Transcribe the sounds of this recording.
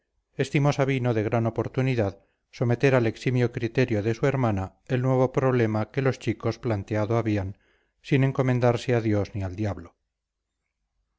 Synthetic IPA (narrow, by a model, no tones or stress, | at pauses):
e̞st̪imosaβ̞inoðe̞ɣ̞ɾanopo̞ɾt̪uniðað | so̞me̞t̪e̞ɾale̞ksimjokɾit̪e̞ɾjoðe̞sue̞ɾmana | e̞lnwe̞β̞o̞pɾo̞β̞le̞make̞lo̞st͡ʃiko̞splant̪eaðoaβian | sine̞ŋko̞mẽ̞nd̪aɾseaðjo̞zniald̪jaβlo